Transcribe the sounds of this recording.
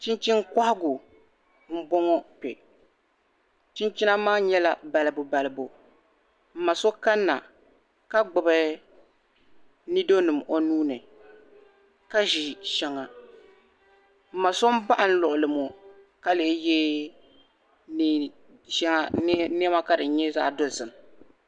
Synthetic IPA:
t͡ʃɪ˦nt͡ʃi˦ŋ˦ka˦hɪ˦ɡʊ˨ | m̩˦bɔ˦ŋɔ˦pɛ̰˨ | t͡ʃɪ˦nt͡ʃi˦na˦maː˦ɲɛ˦la˨ba˨lɨ˨bʊ˨ba˨lɨ˨bʊ˨ | m̩˨ma˨so˦ka˦nːa̰˨ | ka˦ɡ͡bʊ˨bɨ˦ | ni˦do˦nɨ˨mʔo˨nuː˦nɨ˨ | ka˦ʒi˨ʃɛ˦ŋa˨ | m̩˦ma˨so˦m˦ba˦ʔn̩˦lʊ˨ʔʊ˨lɨ˨mɔ˨ | ka˦le˨˦jɛː˦ | n˨ | ʃɛ˦ŋa˦nɛ˦ma˦ka˦dɨ˨˦ɲɛ˦za̰˦˨do˦zɨ˨m˨

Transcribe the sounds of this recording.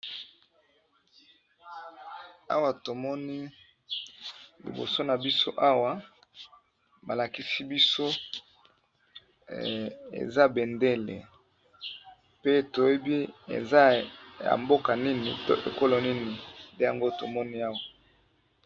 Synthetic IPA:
a̰˦wa˨to˨mɔ˦ni˦ | lḭ˨bo̰˨so˦na˨bi˦so˦ʔa˦wa˨ | ba˨la˨ki˦si˦bi˦so˦ | ḛ˨za˦be˨nde˦lḛ˨ | pe˦to˨je˦bi˦ḛ˨za˦ja̰˨mbo˦ka˨ni˦ni˨to̰˦ʔḛ˨ko˦lo˨ni˦ni˨nde˦ja̰˨ŋɡo˦to̰˨mɔ˦ni˦a˦wa˨

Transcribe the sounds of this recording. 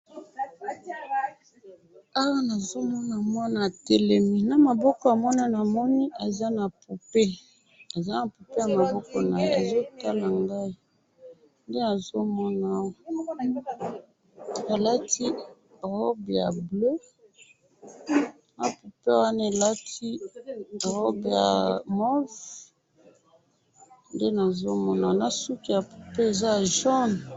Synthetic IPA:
a˦wa˦na˨zo˦mɔ˦na˨mwa˦na˨tɛ˦lɛ˨mi˦na˨ma˨bɔ˦kɔ˨a˨mɔ˦na˦na˨mɔ˦ni˦ʔa˨za˦na˨pu˨pe˦ | a˨za˦na˨pu˨pe˦ja˨ma˨bɔ˦kɔ˨na˨je˦a˨zo˦ta˦la˨ŋɡa˦i˦ | nde˦na˨zo˦mɔ˦na˨˦wɔ˦ | a˨la˦tʰi˦ | ʁɔ˦bja˨blo˦ | na˨pu˨pe˦wa˦na˦e˨la˦tʰi˦ | ʁɔ˦bja̰˨mɔ˦v | nde˦na˨zo˦mɔ˦na˨na˨su˦ki˨ja˨pu˨pe˦e˨za˦ja˨ʒɔ˦n˨

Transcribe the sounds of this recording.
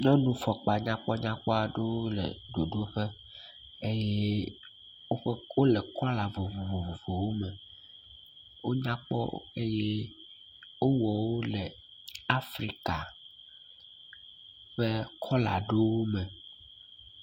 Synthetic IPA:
ɲɔ̃˦nũ˦fɔ˨k͡pa˨ɲã˦k͡pɔ˦ɲã˦k͡pɔ˦a˨ɖo˦wo˦lɛ̰˨ɖo˨ɖo˦ɸe˦ | e˦jɛ˦ | wo˦ɸe˦wo˦le˨kɔ˦a˦la˨vo˨vo˨vo˨vo˨vo˨wo˦mɛ˨ | wo˦ɲã˦k͡pɔ̰˦e˦je˦ | wo˦wɔ˨wo˦lɛ˨ | a˦fɾi˦ka˨ | ɸe˦kʰɔ˦la̰˨ɖo˦wo˦mɛ̃˨

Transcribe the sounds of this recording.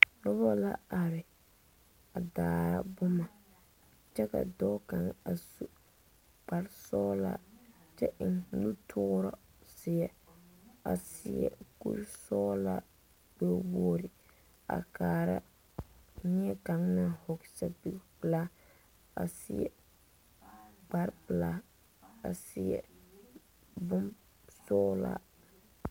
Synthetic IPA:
lɔ˦bɔ˦la˦a˨ɾɪ˨ | a˨daː˨ɾa̰˦bʊ˦ma˨ | t͡ʃɛ˦ka̰˨dɔ˦ka˨ŋa˨su˦ | k͡pa˨ɾsɔː˦la̰˦t͡ʃɛ˦ʔɪ˨ŋlu˦tʰʊ˦ɾɔ˦ | sɪ˨ɛ˨ | a̰˨sɪ̰˨ɛ̰˨kṵ˦ɾsɔː˦la̰˦ | bo˦woː˦ɾɪ˨ | a̰˨kaː˨ɾa˦ | ɲi˦ɛ˦ka˨ŋna˨ho˨ksa˨bi˨pla˦ | a˨sɪ˦ɛ̰˨ | ɡ͡ba˦ɾpla˦ | a̰˨sɪ˨jɛ̰˨ | bʊ˦m | sɔː˦la̰˦

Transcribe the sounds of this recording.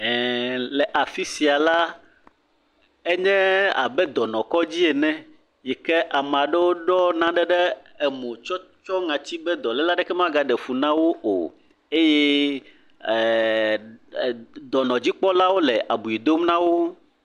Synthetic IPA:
ɛ˨lɛ˨ʔa˨fi˦si˨a˨la˦ | ɛ˦ɲɛ̃˦a̰˨bɛ˦d̪ɔ˨nɔ̃˨kɔ˦d͡ʑi˦e˨nɛ̃˦ | jɛ˨kɛ˦ʔa˨m˨a˨ɖɛ˦wo˦ɖɔ˦nã˦ɖɛ˦ɖɛ˦ | ɛ˨mõ˨t͡ʃɔ˦t͡ʃɔ˦ŋã˨t͡ɕi˦bɛ˦d̪ɔ̃˨lɛ˦la˦ɖɛ˦kɛ˦mã˦ɡa˨ɖɛ˨fu˨nã˦wo˦o̰˨ | e˦jɛ˦˨ | d̪ɔ˨nɔ̃˨d͡ʑi˦k͡pɔ˦la˦wo˦lɛ˨ʔa˨bu˨i˨d̪o˦mnã˦wo˦

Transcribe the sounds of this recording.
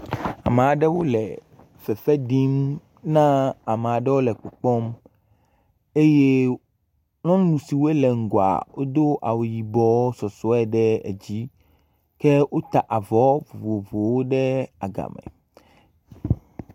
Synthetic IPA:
a̰˨me˨a˨ɖɛ˦wo˦lɛ˨ | fɛ˨fɛ˦ɖi˦m | nã˦a˨mɛ˨a˨ɖɛ˦wo˦lɛ˨k͡pɔ˨k͡pɔ˦m | e˦je˦ | nɔ̃˦lũ˨si˨wo˦e˦lɛ˨ŋ̩˨ɡo˨a̰˨wo˦d̪o˦ʔa̰˨wo˨ji˨bɔ˦sɔ˨sɔ˦ɛ˨ɖɛ˦ḛ˨d͡ʑi˦ | kɛ˦wo˦t̪a˨ʔa˨vɔ˦vo˨vo˨vo˨wo˦ɖɛ˦a˨ɡa̰˨mɛ̰̃˨

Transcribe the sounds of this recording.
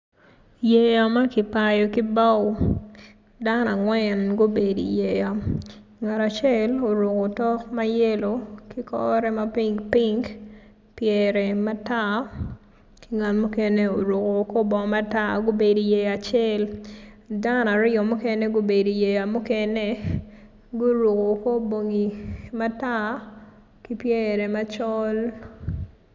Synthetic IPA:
je˨ja˨ma˦ki˨pa˨jɔ˨ki˦ba˦w | da˦na˨ŋwɛ˦nɡo˦be˨dḭ˨je˨ja˨ŋa˨ta˨t͡ʃɛ˦lo˨ɾo˨ko˨tɔ˦kma˦jɛ˦lo˨ki˦kɔː˦ɾɛ˦ma˦pi˦ŋɡpi˦ŋɡ | pjɛ˨ɾɛ˨ma˦ta˦ | ki˦ŋa˨nmu˦ke˦ne˦o˨ɾu˨ko˨ko˦bɔ˨ma˦ta˦ɡo˦be˨do˨je˨ja˨t͡ʃɛ˦l | da˦na˨ɾɪ˦ɔ˨mu˦kɛ˦ne˦ɡo˦be˨do˨je˨ja˨mu˦kɛ˦ne˦ | ɡo˦ɾu˨ko˨ko˦bo˨ŋi˨ma˦ta˦ | ki˦pjɛ˦ɾɛ˨ma˦t͡ʃɔ˦l

